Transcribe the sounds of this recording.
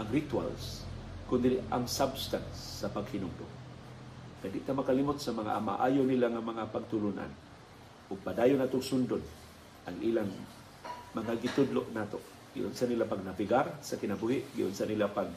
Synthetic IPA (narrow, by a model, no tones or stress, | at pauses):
ʔaŋɾit̪wa̰lskʊnd̪a̰ŋsabst̪ansːapaɡhɪnʊŋd̪ʊ̰ʔ | kajd̪ɪʔt̪amɐkalimʊt̪̚samɐŋa̰ʔama̰ʔaːjonilaŋamaŋapaɡ̚t̪ʊlʊnʔa̰n | ʔʊɡ̚pad̪aːjʊnaːt̪ʊŋsʊnd̪ʊd̪ | ʔaŋʔiːlaŋ | mɐŋaɡɪt̪ʊd̪loʔnat̪o | ɡ̥ɪ̰ʔʊnsanilapaɡnavɪɡaɾsakɪnabuhɪʔɡɪʔʊnsanilapaɡ̚